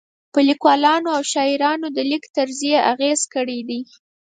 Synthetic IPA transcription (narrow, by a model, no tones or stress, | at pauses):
pəlikwɑlɑnoawʃɑiɾɑnod̪əlikt̪aɾzijeʔaɣez̥kəɽed̪i